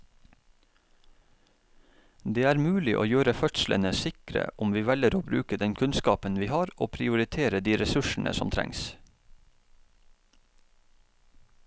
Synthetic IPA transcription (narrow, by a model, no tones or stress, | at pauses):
d̪eːæːɾmʉːlɪʔo̰ːjøːɾəfœt̪slə̰nəsɪkɾə̰ʔʊmʋiːʋɛləɾoːbɾʉːkəd̪ɛnkʰʉnskɑːpənʋiːhɑːɾo̰ːpʰɾɪʊɾɪt̪ʰeːɾəd̪iːɾɛsʉʃɳ̩ʔə̰sɔmt̪ʰɾɛ̰ŋs